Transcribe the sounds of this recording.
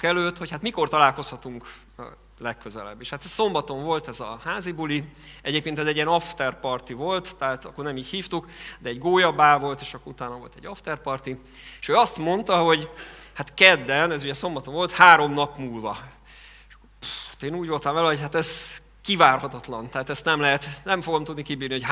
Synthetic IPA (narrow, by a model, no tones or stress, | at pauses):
kɛløːt̪ho̞chat̪miko̞rt̪ɒlaːlko̞shɒt̪uŋkː | lɛkːøzɛ̰lɛ̰bːeʃhat̪ɛsso̞mbɒt̪o̞ɱvo̞lt̪ɛzɒ̰haːzibuliɛɟeːp̚keːnt̪ɛzɛɟiɛnɒft̪ɛrpɒrt̪ivo̞lt̪t̪ɛɦaːt̪ɒkːornɛmiːchiːft̪ukd̪ɛɛɟɡoːjɒbaːvo̞lt̪eːʃɒkːout̪aːnɒvo̞lt̪ɛ̰ɟːɒft̪ɛrpɒrt̪i | eʃøːɒst̪mo̞nt̪ɒɦo̞ɟhat̪kɛd̪ːɛnɛzuɟɛso̞mbɒt̪o̞ɱvo̞lt̪haːɾo̞mnɒpmuːlvɒ | eʃkːouhḁt̪eːnuːɟʋolt̪ɒmvɛlɛɦo̞chat̪ɛz | kivaːrhɒt̪ɒt̪lɒnt̪ɛɦaːt̪ɛst̪nɛmlɛɦɛt̪nɛmfo̞ɡo̞mt̪ud̪nikibiːrnihoc